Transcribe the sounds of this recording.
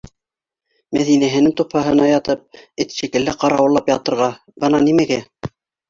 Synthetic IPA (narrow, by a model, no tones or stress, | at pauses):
mæðinæɦɘ̆nɘŋt̪ophɑɦɤ̆nɑjɑt̪ɤp̚ɘt̪ʃikɘ̆lːæqɑɾɑwɤ̆lˠːɑpjɑt̪ɤ̆ɾʁɑ | b̥ɤnɑnimæɡæ